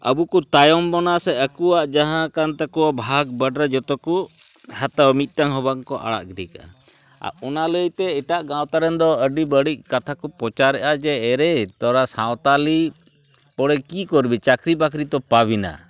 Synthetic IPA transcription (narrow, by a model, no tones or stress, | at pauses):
ə̰bukut̪ajɔmbɔnasɛəkuwaʔd͡ʒaɦãkant̪akɔwabʱaɡ̚bəɖɾɛd͡ʒɔt̪ɔku | hat̪awmit̪̚ˀʈaŋɦɔbaŋkɔʔa̰ɽa̰ʔɡɖika̰ | a̰ʔɔnaləjt̪ɛɛʈaʔɡãwt̪aɾɛnd̪ɔəɖibəɽic̚kat̪ʰakɔpɔt͡ʃaɾɛʔad͡ʒɛːɾɛt̪ɔɾasãwt̪ali | pɔɽɛkikɔɾbit͡ʃakɾibakɾit̪ɔpabina̰